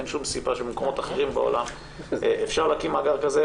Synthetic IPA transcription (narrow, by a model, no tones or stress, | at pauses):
enʃumsibaʃebemeko̞motaχeʁimbeo̰lam | eʔefʃaʁlakimaɡaʁkaze